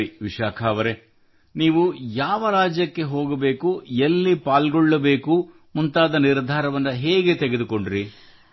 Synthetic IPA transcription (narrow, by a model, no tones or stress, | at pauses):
iʋiʃaːkʰaːʋɐɾe̞ | niːʋujaːʋɐɾaːd͡ʒjɐkːe̞ɦo̞ːɡɐbe̞ːkuelːipaːlɡɔɭːɐbe̞ːku | munt̪aːd̪ɐniɾd̪ʱaːɾɐʋɐnːɐɦeːɡe̞t̪eɡed̪uko̞ɳɖɾi